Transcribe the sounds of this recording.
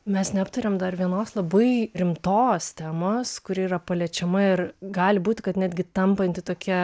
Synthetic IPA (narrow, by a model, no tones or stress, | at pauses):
mʲɛsnʲɛɐpt̪ɐɾʲemd̪ɐrʋʲiɛnoːslˠɐbɐɪɾʲɪmt̪oːst̪ʲæːmoːskʊɾʲɪirɐpɐlʲɛt͡ʃʲɛmɐɪrɡɑːlʲɪbuːtʲɪkɐt̪nʲæːd̪ʲɡʲɪt̪ɐmpɐnʲt̪ʲɪt̪oːkʲiɛ